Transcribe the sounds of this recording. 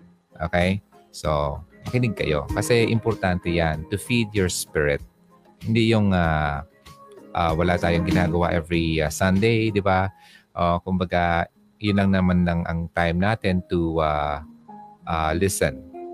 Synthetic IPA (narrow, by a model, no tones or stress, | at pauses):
ʔo̰kej | sonɐkɪnɪɡ̚kɐ̰jʔo̰kɐsɛʔɪmpɔɾt̪ant̪ɛjant̪ʊfid̪̚joɹspɪɹɪt̪̚ | hɪnd̪ijʊŋa | ʔawɐlat̪aːjoŋɡɪnaːɡɐwaʔɛvɹiasɐ̃nd̪ejd̪ɪba | ʔokʊmbɐɡa | jʊnlɐŋnɐmanlɐŋʔɐ̰ŋt̪ajmnaːt̪ɪnt̪ua | ʔalɪsɛ̰n